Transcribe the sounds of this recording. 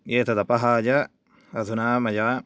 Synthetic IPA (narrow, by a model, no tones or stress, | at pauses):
jeːt̪ʰɐd̪ɐpɐɦaːd͡ʒɐ | ɐd̪ʰʱunaːmɐd͡ʒaː